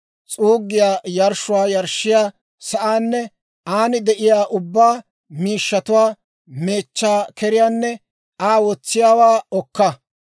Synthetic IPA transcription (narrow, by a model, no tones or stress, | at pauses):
t͡sʼuːɡːɪjaːjɐɾʃʊwaːjɐɾʃːɪjaː | sɐʔaːnːɛ | ʔaːnɪd̪ɛʔɪjaːʔʊbːaː | miːʃːɐt̪ʊwaː | me̞ːt͡ʃːaːkɛɾɪjaːnːɛ | aːwɔt͡sːɪjaːwaːɔkːɐ